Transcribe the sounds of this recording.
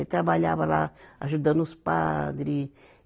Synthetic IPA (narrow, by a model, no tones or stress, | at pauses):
t̪ɾabalʲabɐla̰a̰ʒud̪ɐ̃nuspad̪ɾi